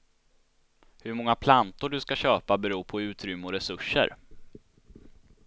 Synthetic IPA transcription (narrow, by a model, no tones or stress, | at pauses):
hɵɾmɔŋːapʰlant̪ʊɖɵskaɕøːpabɛɾuːpʰɔʉ̟ːt̪ɾʏmːəɔɾɛsɵʂːə̰ɾ